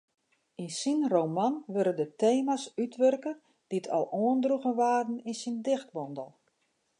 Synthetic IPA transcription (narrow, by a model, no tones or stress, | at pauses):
insinrowmanʋøɾədəteːmasytʋørkə | d̥itʰɔ̰lˠoəndruɣəʋaːrdn̩insindɪxt̚bɔndəlˠ